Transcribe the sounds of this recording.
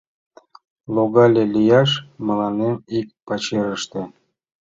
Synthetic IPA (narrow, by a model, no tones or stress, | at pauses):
lˠoɣɑlʲelʲijɑʃmɤlɑnemikpɑt͡ɕeɾəʃt̪ĕ